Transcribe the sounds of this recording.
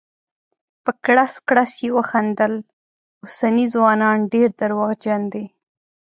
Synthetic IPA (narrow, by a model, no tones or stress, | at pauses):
pəkɽaskɽasjewəxand̪əl | ʊsanizwɑnɑnɖeɾd̪əɾwaɣd͡ʒand̪e